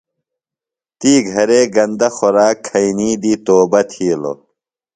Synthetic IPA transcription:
t̪iːɡʱɐɾeːɡɐnd̪ɐxoɾaːkʰːɐiniːd̪iːt̪oːbɐt̪ʰiːlo̰

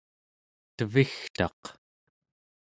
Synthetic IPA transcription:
t̪əvixt̪ɑ̰q

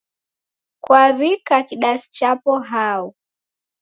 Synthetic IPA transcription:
kwaβikakiɗasi̥t͡ʃapɔɦau

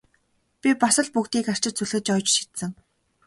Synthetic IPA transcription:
pʲipasə̆ɮpukt̪iːkar̥t͡ɕɪ̆t͡suɮxɘ̆t͡ɕɔːjt͡ɕʃi̥t̪sɘ̆ŋ

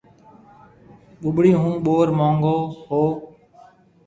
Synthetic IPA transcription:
ɓʊɓɽiːɦũːɓoːɾmõːŋɡoːhoː

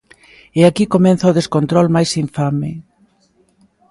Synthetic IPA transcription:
eakikomɛnθɐoðeskont̪ɾɔlmajsiɱfamɪ

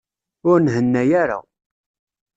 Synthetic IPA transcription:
ʊɾnɦənːæjaɾa̰

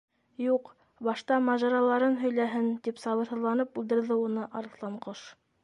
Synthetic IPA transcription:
juq | bɑʃt̪ɑmɑʒɑɾɑlˠɑɾɤnɦɵ̆jlæɦɘnt̪ipsɑβɤ̆ɾhɤ̆ðlˠɑnɤp̚ʉld̪ɘ̆ɾðɘunɤʔɑɾɤθlˠɑɴqoʃ

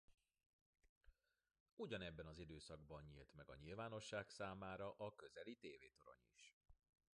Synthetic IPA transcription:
uɟɒnɛbːɛnɒzid̪øːsɒɡ̚bɒnɲḭlt̪mɛɡɒ̰ɲilvaːno̞ʃːaːksaːmaːɾɒʔɒkø̞zɛlit̪eːveːt̪oɾo̞̰ɲḭʃ

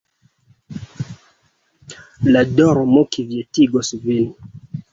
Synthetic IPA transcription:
ladɔɾomokivjetiɡosvin

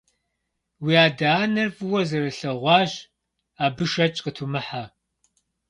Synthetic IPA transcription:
wiːaːdaːnɐrfɨwɐzɐɾɐɬɐʁʷɑːʒ | aːbɨʃɐt͡ʃʼqətʰumɨħa

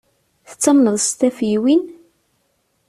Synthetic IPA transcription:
θə̥t͡sːəmnəðˤst̪æfiwin

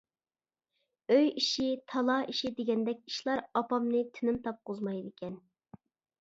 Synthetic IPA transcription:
øjiʃit̪ʰɑlˠɑiʃid̪eɡʲɛnd̪ɛkʲi̥ʃlˠɑɾɑpɑmnɨt̪ʰɪnɪmt̪ʰɑp̚qʰozmɑjd̪ɪkʲʰɛn

